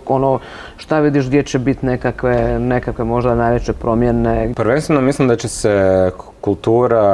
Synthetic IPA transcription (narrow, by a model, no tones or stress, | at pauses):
ono | ʃt̪aʋid̪iʃɡd̪jet͡ɕebit̪nekakʋenekakʋe̞mo̞ʒd̪anajʋet͡ɕepɾo̞mjenepəɾʋenst̪ʋenomislimd̪at͡ɕesekulˠt̪uːɾa